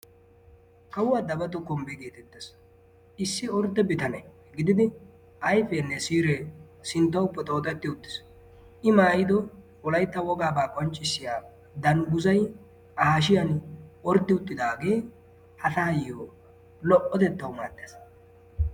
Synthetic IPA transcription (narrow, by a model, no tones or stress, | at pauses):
kɐwʊwad̪ɐbɐt̪ɔkɔmbɛɡe̞ːt̪ɛt̪ːes | ɪsːɪɔɾd̪ɛbɪt̪ɐnɛ | ɡɪd̪ɪd̪ɪ | ʔɐjfɛnːɛsiːɾɛsɪnt̪ːɐʊpːɛt̪ʼo̞ːt̪ɐt̪ːɪʊt̪ːɪ̥s | ʔɪmaːjɪd̪ɔ | ɔlɐjt̪ːɐwɔɡaːbaːkʼɔnt͡ʃʼːɪsːɪjaː | d̪ɐŋɡʊzɐj | ʔaːʃ̬ɪjɐnɔɾd̪ːɪʊt̪ʼːɪd̪aːɡeː | hɐt̪aːjjoː | lɔʔɔt̪ɛt̪ːɐwmaːd̪ːes